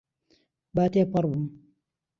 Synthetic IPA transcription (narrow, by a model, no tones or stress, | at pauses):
baːt̪epɐɾbum